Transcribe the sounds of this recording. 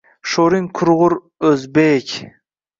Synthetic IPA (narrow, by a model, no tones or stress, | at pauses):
ʃoɾiŋkʰʊɾʁʊɾ | ɵzbekʲ